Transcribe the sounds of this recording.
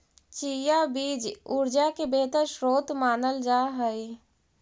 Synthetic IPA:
t͡ʃiːjabiːd͡ʒuɾd͡ʒakebeːt̪əɾʃɾoːt̪maːnəld͡ʒaːɦəi

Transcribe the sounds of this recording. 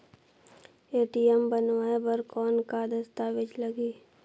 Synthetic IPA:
eːʈiɛmbənʋaːebəɾkɔːnkad̪əst̪aʋɪd͡ʒləɡiː

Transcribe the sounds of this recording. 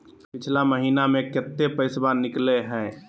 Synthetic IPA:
pɪt͡ʃʰlaməɦiːnamẽkət̪ːepəɪsbanːɪkleɦɛ̃

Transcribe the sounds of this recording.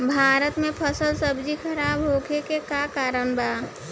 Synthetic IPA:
bʱaːɾət̪mẽpʰəsəlsəbd͡ʒikʰəɾaːbɦoːkekekakaːɾənbaː

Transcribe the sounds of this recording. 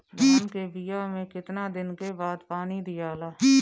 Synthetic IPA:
d͡ʒaːnkeːbijaːmẽːkɪt̪naːd̪ɪnkeːbaːd̪paːniːd̪ɪjaːlaː

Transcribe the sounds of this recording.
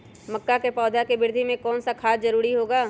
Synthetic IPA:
mɐkːakepɔːd̪ʱakebɪɾd̪ʱimẽkɔːnsakʰaːszɐɾuːɾiɦoːɡaː

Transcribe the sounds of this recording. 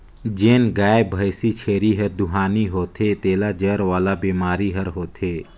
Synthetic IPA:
d͡ʒeːnɡaːbʱəjsit͡ʃʰeːɾiɦəɾd̪ʊɦaːniɦoːt̪ʰeːt̪eːlad͡ʒəɾʋaːlabiːmaːɾiɦəɾɦoːt̪ʰeː

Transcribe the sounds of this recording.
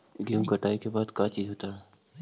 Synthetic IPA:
ɡəmkɐʈaːikebaːd̪kaːt͡ʃiːzɦoːt̪aɦɛː

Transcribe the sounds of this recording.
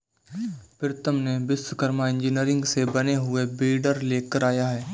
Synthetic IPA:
pɪɾt̪əmnebɪswəkəɾmaɪ̃nd͡ʒiniəɾɪ̃ŋɡsebɐneɦʊebɪːɖəɾleːkəɾaːjaɦɛː

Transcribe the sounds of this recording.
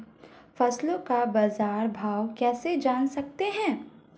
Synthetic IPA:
fɐslõkabaːzaːɾbʱaːwkɛːsed͡ʒaːnsɐk̚t̪eɦɛ̃ː

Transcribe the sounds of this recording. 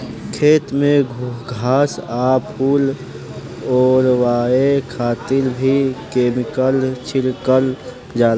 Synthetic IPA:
kʰeːt̪mẽɡʱuɦɡʱaːsaːpʰuːl | ɔːɾwaːekʰaːt̪ɪɾbʱikeːmɪkəlt͡ʃʰɪɾkəl | d͡ʒaːl

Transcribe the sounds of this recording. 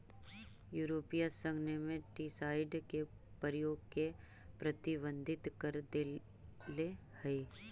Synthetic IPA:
juːɾoːpijasə̃ŋɡnemẽʈiːsaːɪɖke | pəɾɪjoːɡke | pɾət̪ɪbə̃nd̪ʱɪt̪kəɾd̪e | le | həe

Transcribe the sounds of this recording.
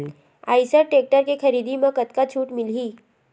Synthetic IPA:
a̰ːɪsəɾʈeːk̚ʈəɾkekɐɾiːd̪imẽkət̪kat͡ʃʰuːʈmɪliː

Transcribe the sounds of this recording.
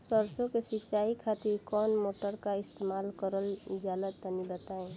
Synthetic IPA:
səɾt͡ʃõkesɪt͡ʃaːikʰat̪ɪɾkɔːnmoːʈəɾkaɪst̪emaːlkəɾəld͡ʒaːlət̪ənibət̪aːẽ

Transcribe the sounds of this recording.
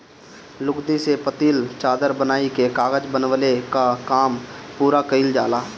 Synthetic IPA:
lʊɡd̪isepət̪iːlt͡ʃaːd̪əɾbənaːikekaːɣəd͡ʒbənʋlekakaːmpuːɾakəɪld͡ʒaːlaː

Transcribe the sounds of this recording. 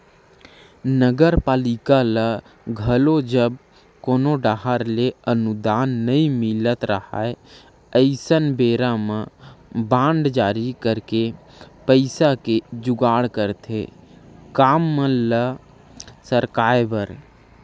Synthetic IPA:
nəɡəɾpaːlɪkalə | ɡʱəlod͡ʒəb̚ | koːnoɖaɦaɾleənʊd̪aːnːəĩmɪlət̪ɾəɦa̰ːe | əɪsənbeːɾamə̃bãːɳɖd͡ʒaːɾikəɾkepəɪsaked͡ʒʊɡaːɽkəɾt̪ʰe | kaːmːə̃lə | səɾkaːjbəɾ

